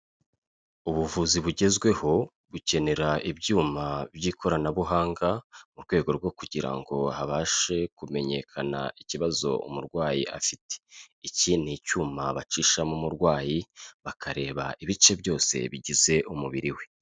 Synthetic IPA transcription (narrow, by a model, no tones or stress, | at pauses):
uβuvuziβuɟe̞zɡwe̞ho̞ | βuce̞ne̞ɾaibjuːmabjiːkʰo̞ɾanaβuɦaːŋɡamuɾɡwe̞ːɡo̞ɾɡwo̞kuɟiɾa̰ŋɡo̞haβaːʃe̞kume̞ɲe̞̰kʰana̰iciβazo̞̰ṵmuɾɡwaːjḭʔa̰fite̥icinicuːmaβat͡ʃiʃamumuɾɡwaːjiβakʰaɾe̞ːβa̰ʔiβit͡ʃe̞bjo̞ːse̞̰βiɟize̞ʔumuβiɾiwe̞